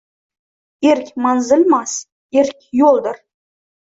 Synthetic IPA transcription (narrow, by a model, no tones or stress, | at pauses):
eɾkʲmɑnzɪlmɑs | eɾkʲjolˠd̪əɾ